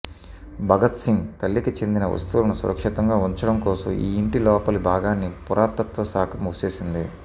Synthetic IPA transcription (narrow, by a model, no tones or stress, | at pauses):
bʱɐɡɐt̪siŋɡt̪ɐlːikit͡ʃe̞nd̪inɐʋɐ̰st̪ulɐnusuɾɐkʂit̪ɐŋɡaːuɲt͡ʃɐɽɐmkɔːsɐ̰mḭːiɳʈilɔːpɐlubʱaːɡaːnːipuɾʔaːɾt̪ɐt̪ʋɐsaːkʰɐmuːt͡ʃeːsind̪i